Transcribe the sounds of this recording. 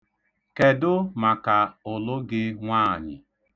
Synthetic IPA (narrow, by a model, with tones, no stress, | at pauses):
ke˨dʊ˦ma˨ka˨ʊ˨lʊ˦ɡɪ˦ŋʷaː˦˨ɲɪ̰˨